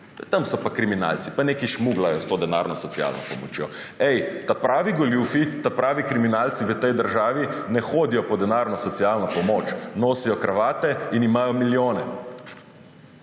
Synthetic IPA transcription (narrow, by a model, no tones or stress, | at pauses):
t̪amsɔpakɾimina̰lsipaneːkiʃmuɡlajɔst̪oːd̪ɛna̰ːɾnɔsɔt̪sia̰lnɔ̰pɔmɔ̰t͡ʃjo̰ | ɛjt̪apɾaːʋiɡɔljufit̪apɾaːʋikɾiminalt̪siʋət̪ɛjd̪əɾʒaːʋinɛxoːd̪ijɔpɔd̪ɛnaːɾnɔsɔt̪sialnɔpɔmoːt͡ʃnoːsijɔkɾaʋaːt̪ɛinimaːjɔmiljoːnɛ